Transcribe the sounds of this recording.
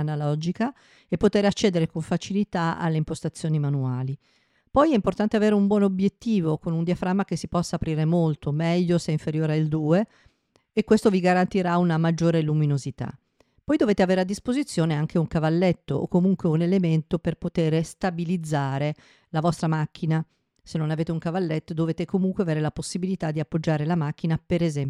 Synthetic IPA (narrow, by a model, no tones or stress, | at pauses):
analɔd͡ʒika | epːot̪eːɾeat͡ʃːeːd̪eɾekoɱfat͡ʃilit̪aa̰lːeimpost̪at̪sːjoːnimanuaːli | pɔjɛimport̪ant̪eaveːɾeumbwɔːnobjet̪ːiːvokonund̪jiafɾamːak̟esːipɔsːaːpɾiːɾemolt̪omɛʎːoseiɱfeɾjoːɾeaild̪uːeː | kːwest̪oviɡaɾant̪iɾaunamad͡ʒːoːɾeluminozit̪a̰ | pɔjd̪oveːt̪eaveːɾead̪ːispozit̪sːjoːneaŋk̟ʰeuŋkavalːet̪ːoʔo̰kːomuŋkweunelement̪operpot̪eːɾest̪abilid̪zːaːɾe | lavɔst̪ɾamak̟ːina | senːonaveːt̪euŋkavalːet̪ːod̪oveːt̪ekomuŋkweaveːɾelaposːibilit̪ad̪ːiapːod͡ʒːaːɾelamak̟ːinapeɾezɛmp